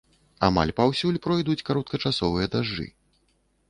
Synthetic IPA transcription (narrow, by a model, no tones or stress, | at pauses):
a̰ma̰lʲpawsʲulʲpɾɔjd̪ut͡sʲkaɾɔt̪̚kɐt͡ʂasɔvɨjɐd̪aʐːɨ̰